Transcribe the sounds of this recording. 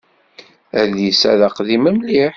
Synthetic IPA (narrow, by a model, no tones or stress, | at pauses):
æɾðisæ̰ðəqðiməmliħ